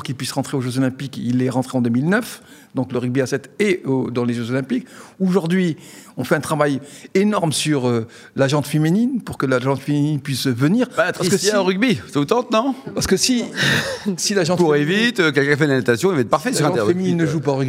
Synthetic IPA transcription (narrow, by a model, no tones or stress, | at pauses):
puʁkilpɥisʁɑ̃t̪χeoʒøzɔlɛ̃pikilɛʁɑ̃t̪χeɑ̃d̪əmilnœf | d̪ɔ̃kləʁyɡ̚biasɛt̪eod̪ɑ̃leʒøzɔlɛ̃pikoʒuʁd̪ɥiɔ̃fɛɛ̃t̪χavajenɔʁmsyʁø | laʒɑ̃t̪femininpuʁkəlaʒɑ̃t̪femininpɥisvəniːʁaaəəsʁyɡ̚bisot̪ɑ̃t̪nɔ̃paʁsə̥kəsi | silaʒɑ̃tp̪uʁɛvit̪økɛlkɛ̃fɛnanat̪asjɔ̃ilvaɛt̪̚paʁfɛslaʁɛ̃ɛfemininːəʒupaʁyɡi